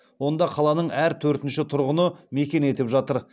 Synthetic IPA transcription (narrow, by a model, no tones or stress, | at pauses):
wo̞nd̪ɑqʰɑlˠɑnəɴæɾt̪ʰɵɾt̪ɪnʃɪt̪ʰʊɾʁənəme̞kʲe̞ne̞t̪epʒɑt̪əɾ